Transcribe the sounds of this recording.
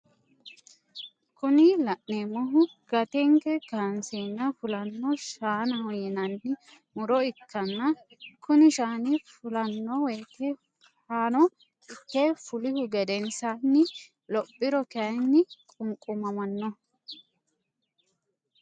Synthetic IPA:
kʊnɪlɐʔnemɔɦʊɡ̥ɐt̪ɛŋkɛkanseːnːɐfʊlɐnːɔʃaːnɐhɔjɪnɐnːɪ | mʊɾɔɪkːɐnːɐ | kʊnɪʃaːnɪfʊlɐnːɔweːkɛ | haːnɔ | ɪkːefʊlɪhʊɡɛd̪ɛnsanːɪ | lɔpʼːɪɾɔkɐjnːɪkʼʊŋkʼʊmɐmɐnːɔ

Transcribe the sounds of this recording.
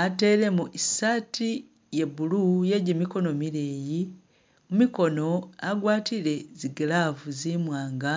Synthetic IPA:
ate̞ɾe̞muʔisatʰi | je̞bulujeɟemiko̞no̞miɾeːji | mumiko̞no̞aɡwaːtʰiɾe̞ziɡelavuzimwaːŋɡa

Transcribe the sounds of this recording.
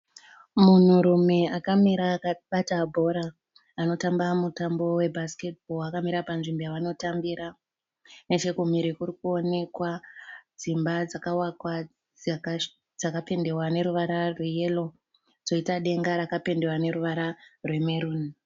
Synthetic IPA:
mun̤uɾume̞akamiɾaɓatabʱo̞ɾaː | no̞tambamutambo̞we̞bʱaske̞t̚bʱoakamiɾapanʐimbojaʋano̞tambiɾa | ne̞t͡ʃe̞kumiɾikurikuo̞ne̞kwad͡zimbad͡zakawakwa | d͡zakape̞nde̞wane̞ɾuʋaɾarweje̞lo̞ | d͡zo̞itaɗe̞ŋɡaɾakape̞nde̞wane̞ruʋaɾarwe̞me̞ɾuːni

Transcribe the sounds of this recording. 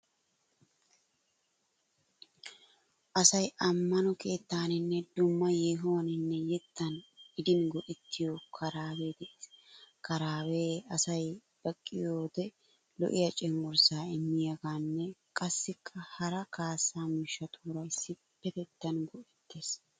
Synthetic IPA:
ʔɐsɐjʔɐmːɐnɔke̞ːt̪ːaːnɪnːɛd̪ʊmːɐjeːɦoːɐnɪnːɛjɛt̪ʰːɐnɪd̪ɪnɡɔʔɛt̪ʰːɪjokʰɐɾaːweːd̪ɛʔeskɐɾaːweːɐsɐj | b̥ɐkʼːɪjoːd̪ɛ | lɔ̰ʔɪjɐt͡ʃʼɛŋɡɔɾsaːɪmːɪjɐɡaːnːɛkʼɐsːɪkʰːɐhɐɾɐkaːsːaːmɪʃːɐt̪ʰuːɾɐjɪsːɪ | bːɛt̪ɛt̪ːɐnɡɔʔɪt̪ʰːeːs

